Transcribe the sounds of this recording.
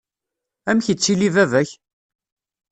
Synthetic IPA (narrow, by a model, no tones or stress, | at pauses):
æmçət͡sːilivævæç